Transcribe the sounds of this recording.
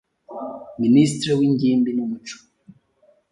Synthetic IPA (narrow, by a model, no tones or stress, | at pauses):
minis̬tɾewiɲɟiːmbinumut͡ʃo̥